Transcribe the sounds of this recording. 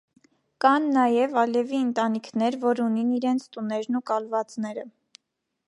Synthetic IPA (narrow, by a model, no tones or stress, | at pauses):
kɑnːɑjɛvɑlɛviənt̪ɑnikʰnɛɾvɔɾuniniɾɛnt͡sʰt̪unɛɾnukɑlvɑt͡snɛɾə